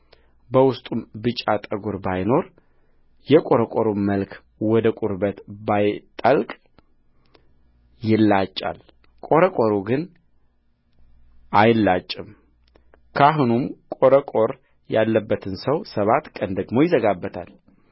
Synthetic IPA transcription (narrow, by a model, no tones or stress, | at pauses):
bəwʊst̪ʼumbɨt͡ʃʼːat̪ʼəɡuɾbajno̞ɾ | jɛkʼo̞ɾəkʼoɾumməlkʰ | wɔd̪əkʷʼuɾbət̪bajt̪ʼəlkʼ | jɪlːat͡ʃʼːa̰l | kʼo̞ɾəkʼoɾuɡɨn | ʔajlːat͡ʃʼːɪm | kʰaɦunumkʼo̞ɾəkʼo̞ɾ | jalːəbːət̪ʰɨnsəwsəβat̪kʼənd̪əɡmo̞jɪzəɡabːət̪ʰa̰l